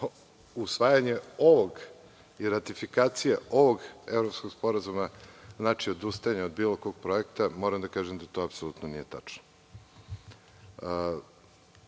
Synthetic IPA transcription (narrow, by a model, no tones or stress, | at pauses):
usʋaːjaɲe̞o̞ʋoɡ | iɾat̪ifikaːt̪sijaʔo̞ʋoɡevɾopskoɡspo̞ɾazumaznaːt͡ʃiod̪ust̪ajaɲaod̪biːlˠoko̞ɡ̚pɾo̞ekt̪amo̞ɾamd̪akaːʒemd̪at̪o̞apso̞lˠut̪nonije̞t̪at͡ʃno̥